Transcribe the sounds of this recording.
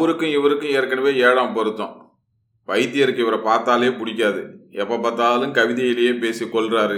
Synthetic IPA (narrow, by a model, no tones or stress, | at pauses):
ʋɐɾɯkːɯ̃ɪʋɐɾɯkːʊ̃eːɾkːɐɳɐʋeːeːɽãːmpɔɾɯt̪ːõ̰ː | ʋɐɪt̪ːɪjɛɾɯkːɪʋɐɾɐpaːɾt̪aːleːpʊɽɪk̬ʲːaːðɯɛpːɐpɐːt̪ːaːlɯmkɐʋɪðɐɪlɐjeːpeːsikːɔɭɾaːɾɯ